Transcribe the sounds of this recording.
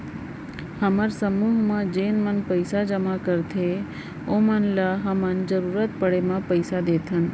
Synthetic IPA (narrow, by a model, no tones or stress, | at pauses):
həməɾsəmuɦmãd͡ʒeːnmənpəjsad͡ʒəmakəɾt̪ʰe | omənlaɦəmənd͡ʒəɾuɾət̪pəɽemãpəjsad̪et̪ʰən